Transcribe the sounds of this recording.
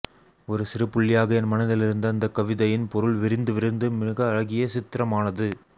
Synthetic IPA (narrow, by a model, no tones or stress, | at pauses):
ɔɾɯsɪɾɯpːʊɭːɪjaːɣɐɛnmɐnɐðɪlɪɾɯnd̪ɐːnd̪ɐkːɐʋɪðɐjɪnpɔɾɯɭʋɪɾɪnd̪ɯʋɪɾɪnd̪ɯmɪɣɐːɻɐɣɪjɐsɪt̪ːɪɾɐmaːnɐðɯ